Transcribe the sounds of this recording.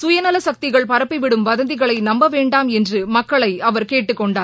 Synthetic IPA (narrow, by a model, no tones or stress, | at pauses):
sʊjɐnɐlɐsɐk̚t̪ɪɣɐɭpɐɾɐpːɪʋɪɽɯmʋɐðɐnd̪ɪɣɐɭɐɪnɐmbɐʋeːɳɖaːmɛndrɯmɐkːɐɭɐɪɐʋɐɾkeːʈːɯkːɔɳɖaːɾ